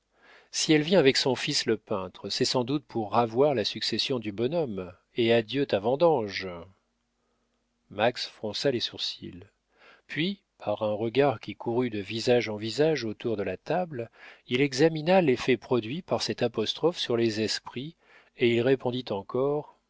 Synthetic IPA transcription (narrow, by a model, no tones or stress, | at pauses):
siɛlvjɛ̃avɛksɔ̃fisləpɛ̃t̪χəsɛsɑ̃d̪ut̪̚pʰuʁːavwaʁlasyksesjɔ̃d̪ybɔnɔm | ead̪jøt̪avɑ̃d̪ɑ̃ʒ | maksfχɔ̃salesuʁsḭl | pɥi | pʰaʁɛ̃ʁəɡaʁkʲikʰuʁyd̪əvizaʒɑ̃vizaʒot̪uʁd̪əlat̪ablilɛɡzaminalefɛpχɔd̪ɥipaʁsɛt̪apɔst̪χɔfsyʁlezɛspχi | eilʁepɔ̃d̪it̪ɑ̃kɔʁ